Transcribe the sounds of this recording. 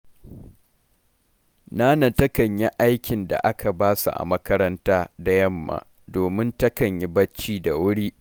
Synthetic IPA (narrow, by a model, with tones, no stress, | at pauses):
naː˦nɐ˨tɐ˦kɐ˨ɲji˦ʔa˦jkʲɪ˨nda̰˨ʔa˦kʰa˨baː˦sṵ˨ʔa̰˨mɐ˦kɐ˦ɾɐ˦ntaː˦da˨jɐ˦mːa̰ː˨ | doː˨mɪ˦ntɐ˦kɐ˨ɲji˦bɐ˦t͡ʃːiː˦da˨wʊ˦ɽiː˦ʔ